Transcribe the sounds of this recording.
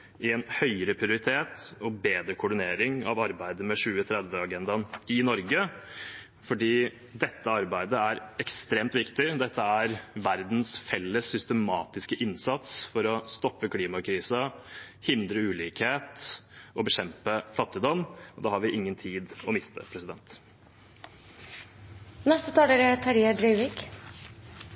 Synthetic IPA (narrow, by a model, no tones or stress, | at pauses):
ɪɛnhœʏəɾəpʰɾɪʊɾɪt̪ʰeːt̪ɔbeːd̪ɾəkʰʊɖɪneːɾɪŋɑ̰ʋɑɾbæɪd̪əmɛʂʉːət̪ʰɾɛd̪ʋəɑɡɛnd̪ɑnɪnɔɾɡə | fɔɖiː | d̪ɛt̪ʰːəɑɾbæɪd̪əæɾɛkst̪ɾeːmt̪ʋɪkt̪ɪd̪ɛt̪ʰːəæɾʋæɾd̪n̩sfɛlːəsːʏst̪əmɑːt̪ɪskəʔɪnsɑt̪sfɔɾɔst̪ɔpːəkʰliːmɑkʰɾiːsɑhɪnd̪ɾəʉːliːkheːt̪ɔbəɕɛmpəfɑt̪ːɪd̪ɔmɔd̪ɛːhɑɾʋɪʔɪŋːənt̪ʰiːd̪ɔmɪst̪ə̰pʰɾɛsɪd̪ɛnt̪ | nɛst̪ət̪ʰɑːɖeɾət̪ʰɑɾiːəd̪ɾœʏʋɪk